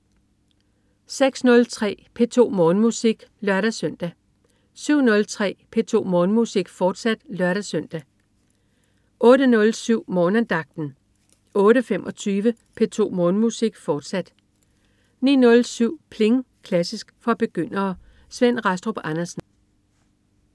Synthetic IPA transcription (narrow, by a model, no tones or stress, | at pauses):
seɡ̥snɔ̽lt͡sʰʁɛ̰ːpʰe̝ːt͡sʰo̝̰ːmɔ̽ːnmusiɡ̥lɶɐɾæsœn̰d̥æ | syʊ̰nɔ̽lt͡sʰʁɛ̰ːpʰe̝t͡sʰo̝̰ːmɔ̽ːnmusiɡ̥fɒːd̥sæd̥lɶɐɾ̥æsøn̰d̥æ | ʔɔ̽ːɾənɔ̽lsyʊ̰mɔ̽ːnəd̥ɑ̈ɡ̥̚d̥n̩ | ɔ̽ːɾəfemʔɒ̽t͡sʰyːʋə | pʰe̝t͡sʰo̝̰ːmɔːnmusiɡ̥fɒːd̥sæd̥ | nḭːnɔ̽lsyʊ̰pʰle̝ŋ | kʰlæsisɡ̥fɒ̽b̥e̝ɡ̥øn̰ɐː | sʋen̰ʁɑsd̥ʁob̥ɑnɐsn̩